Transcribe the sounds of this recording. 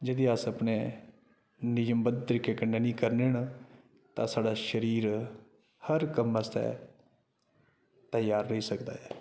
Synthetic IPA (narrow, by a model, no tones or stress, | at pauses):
d͡ʒəd̪iːəsəpneː | nɪjəmbəd̪̚t̪əɾɪkːeːkənːeːnĩːkəɾneɳ | t̪ãːsaːɖaːʃəɾiːɾ | həɾkəməst̪ɛ̰ː | t̪əjaːɾːəɦiːsəkd̪a̰ːɛː